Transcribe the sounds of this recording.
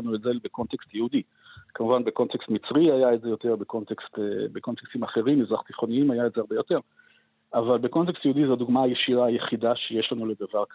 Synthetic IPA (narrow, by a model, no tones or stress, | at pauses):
anuetzelbekont̪ekst̪jehud̪i | kamuvanbe̞ko̞nt̪ekst̪mit͡sʁiajaetze̞jo̞t̪eʁbeko̞nt̪ekst̪ebeko̞nt̪ekst̪imaχe̞ʁimizʁaχt̪iχo̞niimajaetzeaʁbejo̞t̪e̞ʁ | avalbeko̞nt̪ekstjeudizod̪uɡmaajeʃiʁaːjeχidaʃejeʃlanule̞d̪avaʁk